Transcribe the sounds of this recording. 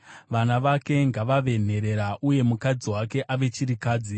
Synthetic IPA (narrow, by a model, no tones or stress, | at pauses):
ʋanaʋake̞ŋɡaʋaʋe̞n̤e̞ɾe̞ɾaʔuje̞mukad͡ziwake̞ʔaʋe̞t͡ʃiɾikaːd͡zi